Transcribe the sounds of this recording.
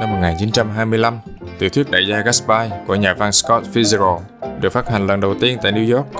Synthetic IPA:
na˧mːo˨˩ŋaː˨˩nt͡ɕi˨˦nt͡ɕa˧mɦaː˧jmɨ˧əjla˧m | t̪ḭ˨˩˦t̪ʰwi˦˥k̚ɗaː˧˨˩jzaː˧ɣa˦˥sɓaː˧jku˧˩əɲaː˨˩va˧nskɔ˦˥t̚fi˧zə˧ɾo˧ | ɗɨ˨˩ək̚faː˦˥t̚ha˨˩ŋ̟lə˨˩nɗə˨˩wt̪i˧ənt̪a̰ː˧˨jni˧wzɔ˦˥k̚

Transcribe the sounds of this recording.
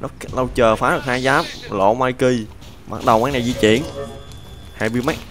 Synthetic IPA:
nɔ˨˦˥lə˧wt͡ɕəː˨˩faː˨˦ɗɨ˨˩k̚haː˧jzaː˨˦˥p̚lo̰˧˨maː˧jki˧j | ɓa̰˨˩t̚ɗə˨˩waː˨˦ŋna˨˩jzḭ˧˥t͡ɕḭ˧˨ən | haː˧jmɨ˧əjma˦˥k̚

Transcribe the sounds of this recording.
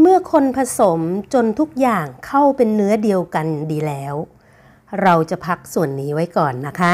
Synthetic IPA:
mɯ˥˩ɐkʰo˧npʰa˧so˩˦mt͡ɕo˧nt̪ʰu˦˥k̚jaː˨˩ŋkʰa˥˩wpe˧nːɯ˦˥ɐdi˧əwka˧ndiː˧lɛː˦˥w | ɾa˧wt͡ɕa˨˩pʰa˦˥k̚su˨˩ənːiː˦˥wa˦˥jkɔː˨˩nːa˦˥kʰa˦˥

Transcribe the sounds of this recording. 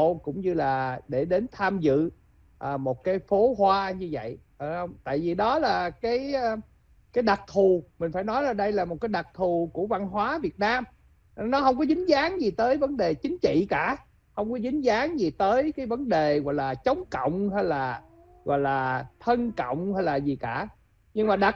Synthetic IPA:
kʊ̰˧˥wŋ͡mɲɨ˧laː˨˩ɗe˧˩ɗe˨˦nt̪ʰaː˧mzɨ̰˧˨ | ʔəː˨˩mo˨˩t̚kaː˨˦jfo˨˦hwaː˧ɲɨ˧və̰˧˨jʔə˧˩hə˧wŋ͡mt̪a̰ː˧˨jvi˨˩ɗɔ˨˦laː˨˩kaː˨˦j | kaː˨˦jɗa˨˩t̚t̪ʰu˨˩mï̟˨˩faː˧˩jnɔ˨˦jlaː˨˩ɗə˧jlaː˨˩mo˨˩t̚kaː˨˦jɗa˨˩t̚t̪ʰu˨˩ku˧˩əva˧nɦwaː˨˦vi˨˩ət̚naː˧m˧ | nɔ˨˦hə˧wŋ͡mkɔ˨˦zï˨˦ŋ̟zaː˨˦ŋzi˨˩t̪əː˨˦jvə˨˦nɗe˨˩t͡ɕï˨˦ŋ̟t͡ɕḭ˧˨kaː˧˩ | hə˧wŋ͡mkɔ˨˦zï˨˦ŋ̟zaː˨˦ŋzi˨˩t̪əː˨˦jkaː˨˦jvə˨˦nɗe˨˩ɣɔ̰˧˨jlaː˨˩t͡ɕə˨˦wŋ͡mkə̰˧˨wŋ͡mɦɛ˧jlaː˨˩ | ɣɔ̰˧˨jlaː˨˩t̪ʰə˧nkə̰˧˨wŋ͡mhɛ˧jlaː˨˩zi˨˩kaː˧˩ | ɲɨ˧ŋmaː˨˩ɗa˨˩

